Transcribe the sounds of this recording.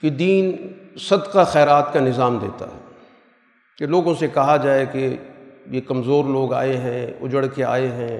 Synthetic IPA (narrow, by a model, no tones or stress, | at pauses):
ked̪iːnsɐd̪qaxɛːɾaːt̪kanɪzaːmd̪ḛːt̪a̰ɦɛ̰ː | keloːɡõsekɐɦad͡ʒaːekejekɐmzoːɾloːɡa̰ːeɦɛ̃ʊd͡ʒəɽkea̰ːeɦɛ̃ː